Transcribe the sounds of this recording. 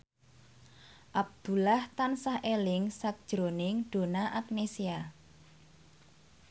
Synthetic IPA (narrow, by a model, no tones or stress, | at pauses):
ʔab̚d̪̥ṳlaht̪ansahʔelɪŋsak̚d̥ʒ̥ɾonɪŋɖ̥o̤naʔak̚nesia